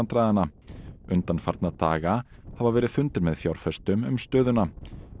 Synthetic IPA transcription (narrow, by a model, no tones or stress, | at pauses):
nt̪ɾaːðanaʏnt̪anfaɾt̪nat̪a̰ːɣa | havavɛːɾɪð̥fʏnt̪ɪɾmɛðfjawɾ̥fɛst̪ʏmʏmst̪œːðʏna